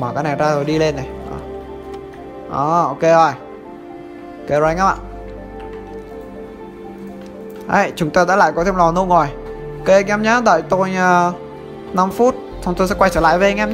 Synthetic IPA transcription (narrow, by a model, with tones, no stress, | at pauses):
məː˨˩kaː˨˦na˨˩jzaː˧zo˨˩jɗi˧le˧nːa˨˩jʔəː˧˩ | ʔəː˧˩o˧ke˧zo˨˩j | ke˧˩zɔ˧˩jŋaː˨˦˥ma̰ː˧˨ | hə̰˧˦jt͡ɕʊ˨˦ŋ͡mt̪aː˧ɗa̰ː˧˥la̰ː˧˨jkɔ˨t̪ʰe˧mlɔ˨˩nu˧˦ŋo˨˩j | o˧ke˧ŋɛ˧mɲaː˨˦ɗə̰ː˧˨jt̪o˧jəː˧˩ | na˧mfu˦˥t̚ | sʰə˧wŋ͡mt̪o˧sɛ̰˧˥wa˧jt͡ɕəː˧˩la̰ː˧˨jve˧˨˧ŋʔɛ˧mɲ˦